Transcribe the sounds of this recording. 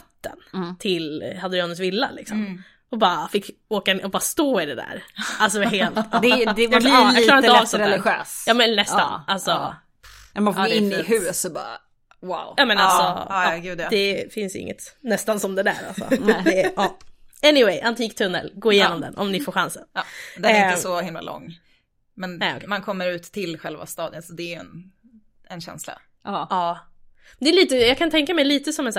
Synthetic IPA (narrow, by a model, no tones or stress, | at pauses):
t̪ːə̰nt̪ʰɪlhad̪ɾɪɑːnəs̬vɪlːa̰lɪksɔmm | ɔbɑːafɪkː | oːkaɔbɑːɾst̪oːɪd̪ɛd̪æ̰ɾalsɔheːlt̪d̪ɛd̪ɛjk̪ːjɑklɑːɾɪnavsɛɾɛlɪɧøːsjɑːmɛnːɛst̪a̰nalsɔ | mɛfɪnːɪhʉːsɔbɑ̰ː | wawjɑːmɛnalsɔɡʉːd̪ɛfɪnsɪ̰ŋːə̰t̪nɛst̪ansɔmd̪ɛd̪æ̰ːɾa̰lssɔ̰ɛɑɛnɪwɛjʔant̪ʰiːkt̪ʰɵnːə̰lɡoːɪjeːnɔmd̪ɛ̰nʔɔ̰mnɪfoːɾɧansənːd̪ɛsɔhɪmla̰lɔ̰ŋː | mɛnɛɔ̰kmankʰɔmːəɾʉ̟ːt̪ʰːɪlɧɛlva̰st̪ɑːd̪ənsɔd̪ɛːjɵɛ̰n | ɛnɕɛ̰nsla̰ | ɑː | d̪ɛːɭiːt̪əjɑːɡkʰant̪ʰɛŋkamɛjliːt̪əsɔmɛns